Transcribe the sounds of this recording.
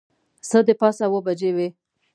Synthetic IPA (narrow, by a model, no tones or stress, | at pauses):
səd̪əpɑsawəbad͡ʒewe